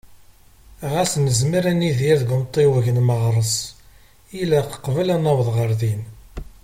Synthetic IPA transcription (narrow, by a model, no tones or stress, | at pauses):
ʁæsnəzmiɾæniðjæðɡənt̪ˤːewəʝənməʁɾˤəsˤ | ilæqə̥qːvəlænæwðˤʁəɾðin